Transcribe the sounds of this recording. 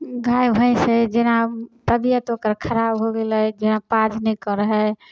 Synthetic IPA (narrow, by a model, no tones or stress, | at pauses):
ɡʱajbʱə̃ɪ̃sed͡ʒenapɾəb̪ijət̪okəɾkʰəɾabɦoɡelɛd͡ʒenapad͡ʒʱnɛkɔɾəɦɛ